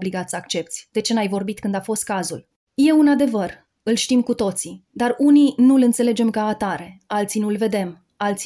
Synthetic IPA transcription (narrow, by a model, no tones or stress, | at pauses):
bliɡat̪səakt͡ʃe̞pt̪sʲd̪̥e̞t͡ʃe̞najvo̞rbit̪kɨnd̪afo̞st̪̚kazul | je̞unad̪e̞vər | ɨlʃt̪imkut̪o̞t̪sid̪aruninulɨnt̪se̞le̞d͡ʒe̞mkaːt̪aɾe̞alt̪sinulve̞d̪e̞m | alt̪s